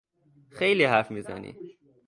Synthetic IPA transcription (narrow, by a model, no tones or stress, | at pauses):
xejliːhæɾfmiːzæ̰nḭː